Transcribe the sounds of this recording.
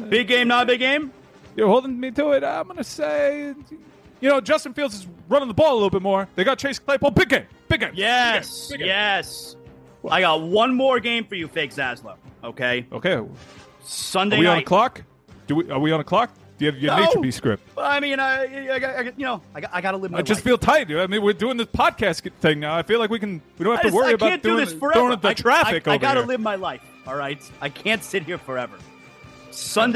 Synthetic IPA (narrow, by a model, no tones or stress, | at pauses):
b̥ɪɡẽɪ̃mnəɾəbɪɡẽɪ̃m | jə˞hoʊlˠdɪ̃ŋmitəɪtãɪ̃mɡʌnɨseɪ | jɨnoʊd͡ʒʌstn̩filˠdzɨzɹʌ̃nɪ̃ŋðəbɔlˠəlɪɾl̩ˠbɪt̚mɔɹðeɪɡɑt̚t͡ʃʰeɪskʰl̥eɪpɔlˠbɪɡ̚ẽɪ̃mb̥ɪɡẽɪ̃jɛsɪɡjɛs | aɪɡɑt̚wʌ̃nmɔɹɡẽɪ̃ɱfə˞jɨfeɪksæzlo̰ʊoʊkʰeɪʔo̰ʊkʰeɪ | sʌ̃ndeɪwiə̃nkʰl̥ɑk | d̥ɨwiʔə˞wiə̃nəkʰl̥ɑk̚ | d̥ɨjɨɨjɨnitʰbiskɹɪ̰p̚t̚ʌaɪmĩnaɪaɪɪjɨnoʊaɪɡʔaɪɡɑɾəlɪvmɪd͡ʒʒʌsstfilˠtʰaɪɨamĩwɪɹdʉɪ̃ŋðɪspʰɑd̚kʰæsθɪ̃ŋnaʊaɪfilaɪk̬̚wikɨ̃n̩wiõʊ̃nhtəwɜ˞iɪɨbaʊæ̃n̚d̥ʉɪðɪsfə˞uɪ̃ŋðɨtʰɹ̥æfɨkoʊɪvɑɾəlɪvmaɪlaɪf | ɔlˠɹaɪt̚ | aɪkʰæ̃ntsɪt̚hiɹfə˞ɛvə˞ | sʌ̃nd